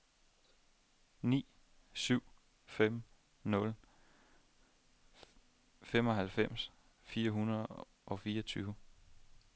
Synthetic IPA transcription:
nḭː | syʊ̰ | fem̰ | nɔ̽l | fem̰ɒ̽ɦælfem̰s | fiːɐɦunɐð̩ˠ | ʔɒ̽fiːɐt͡sʰyːʊ

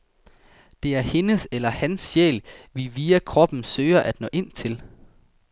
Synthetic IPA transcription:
d̥e̝æɐhe̝nəselɐhænsɕḛːlʋiʋiːækʰʁɒ̽b̥n̩søːɪɐʔæd̥nɔ̰̽ːʔe̝n̰t͡sʰe̝l

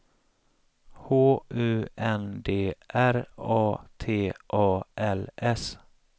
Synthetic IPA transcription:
hoːʔʉ̟ːɛnd̪eːʔæɾɑːt̪ʰeːʔɑːʔɛlɛs

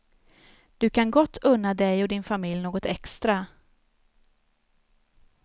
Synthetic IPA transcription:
d̪̥ɵkʰanɡɔt̪ʰːɵnːad̪ɛjɔd̪ɪnfamɪljnoːɡɔt̪ɛkst̪ɾa

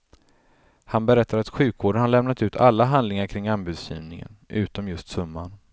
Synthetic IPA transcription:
hanbɛɾɛt̪ʰːaɾat̪ɧʉ̟ːkvoːɖənhaɭɛmnat̪ʉ̟ːt̪ʰalːaɦand̪lɪŋaɾkʰɾɪŋːanbʉːd̪sjḭːvnɪŋə̰nʔʉ̟ːt̪ɔmjɵst̪sɵmːan

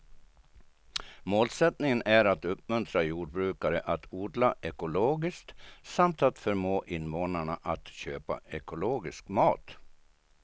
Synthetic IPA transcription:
moːlsɛt̪nɪŋənʔæɾat̪ɵp̚mɵnt̪ʰɾajuːɖ̚bɾʉ̟ːkaɾəʔat̪ʰuːɖlaʔɛkʊloːɡɪskt̪samt̪at̪fœɾmoːʔɪnːvoːnaɳaʔat̪ɕøːpa̰ɛkʊloːɡɪskmɑːt̪

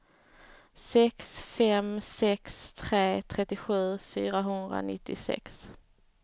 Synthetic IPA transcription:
sɛksfɛmsɛkst̪ʰɾeːt̪ʰɾɛt̪ːɪɧʉ̟ːfyːɾaɦɵnd̪ɾa̰nɪ̰t̪ːɪsɛ̰ks

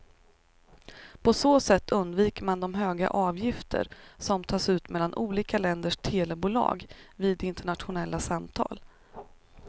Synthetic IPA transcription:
pʰɔsoːsɛt̪ʰːɵnd̪viːkəɾmand̪ɔmɦøːɡa̰ʔɑːvjɪft̪ʰə̰ɾsɔmt̪ʰɑːsʉ̟ːt̪mɛlːanʔuːliːkalɛnd̪əʂt̪ʰeːlɛbuːlɑ̰ːɡviːd̪ɪnt̪əɳat̪ɧʊnɛlːasamt̪ʰɑ̰ːl

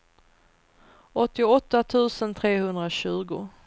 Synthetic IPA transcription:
ʔɔt̪ːɪɔt̪ːat̪ʰʉ̟ːsənt̪ʰɾeːhɵnd̪ɾaɕʉ̟ːɡʊ̰

